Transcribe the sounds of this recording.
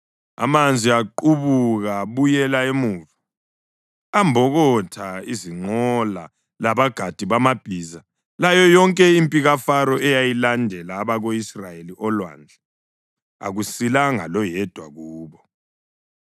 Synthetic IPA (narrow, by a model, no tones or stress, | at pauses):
a̰mand͡zʱiaǃuβuɣaβujɛlaemuva | ambʱɔɣɔtʰaiziŋ͡ǃɔla | laβaɡ̥ʱad̥ʱiβamab̥ʱiːza | lajɔjɔŋkʼɛimpʼiɣafaɾɔʔɛjajilandʱɛlaːβaɣoisrajeliʔɔlwa̰nd͡ɮʱɛ | a̰ɣusilaŋa̰lɔjɛd̥ʱwa̰ɣuːβɔ